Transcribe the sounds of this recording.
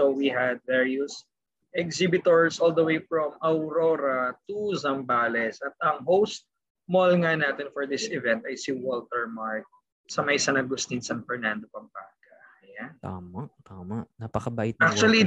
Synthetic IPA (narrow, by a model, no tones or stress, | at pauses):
owiɦɐd̪̚vɛɹiʊs | ʔɛksɪbɪt̪ɔɹsʔɔld̪ɐwejfɹɔmɐwɾoɾɐt̪uzɐmbaːlɛsʔɐt̪̚ɐŋɦowst̪̚ | mɔlŋɐnaːt̪ɛnfɔɹd̪ɪsɪvɛ̃nt̪ɐjsiwɔlt̪ɛɹmaɹk̚ | sɐmɐjsanɐɡʊst̪insanfɛɹnand̪opɐmpaɡɐɐjant̪aːmat̪aːmaʔnapɐkɐbaʔɪt̪ak̚t͡ʃuɐli